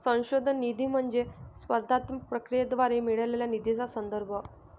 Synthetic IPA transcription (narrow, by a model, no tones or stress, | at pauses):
sə̃w̃ɕod̪ʱənːid̪ʱiːm̤əɳd͡zesʋəɾd̪ʱat̪mpɾəkɾijəd̪ʋaɾemiɭəleljanid̪id͡zasənd̪əɾbʱə